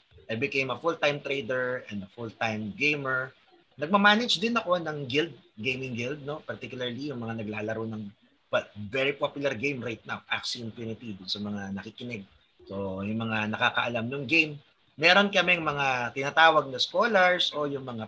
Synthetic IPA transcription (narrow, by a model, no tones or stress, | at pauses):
ʔɐjbɪkejmɐfʊlt̪ajmt̪ɾejd̪ɛɹɐ̃nd̪ɐfʊlt̪ajmɡejmɛɹ | nɐɡ̚mɐmaːnɐd͡ʒd̪ɪnɐko̞nɐŋɡɪld̪̚ɡejmɪŋɡɪld̪̚no̞pɐɾt̪ikjʊlɐɹlijʊŋmɐŋanɐɡlaːlɐɾonɐŋ | pɐt̪̚vɛɹipopjʊlɐɾɡejmɾajt̪̚nawʔa̰ksiɪnp̪junɪt̪id̪ʊnsɐmɐŋanɐkikɪnɛɡ̚ | so̞jʊŋmɐŋanɐkaːkɐʔɐlamnʊŋɡejmː | ɛːɾonkɐmɛŋmɐŋat̪ɪnaːt̪aːwɐɡ̚nɐskoːlɐɹso̞jʊŋmɐŋa